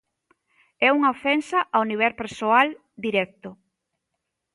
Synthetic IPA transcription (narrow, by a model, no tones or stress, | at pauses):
ɛuŋɐofɛnsɐʔawniβ̞ɛɾpeɾsoal | d̪iɾɛk̚t̪ʊ